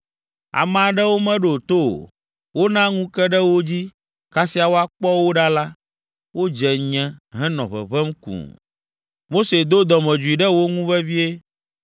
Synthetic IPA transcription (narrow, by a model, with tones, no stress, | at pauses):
a̰˨m̃˨a˨ɖɛ˦wo˦mɛ̃˦ɖo˨t̪o˦o̰˨ | wo˦nã˦ŋũ˦kɛ˦ɖɛ˦wo˦d͡ʑi˦ | ka˦si˦a˨wo˦a˦k͡pɔ˦wo˦ɖa˦la˦ | wo˦d͡ʒɛ˨ɲɛ̃˦ɦɛ̃˦nɔ̰̃˨βɛ̰˨βɛ˦mkṵ̃˨ | mo˦se˨d̪o˦d̪ɔ˨mɛ̃˨d͡ʒu˨i˨ɖɛ˦wo˦ŋũ˦vɛ˦vi˦e˦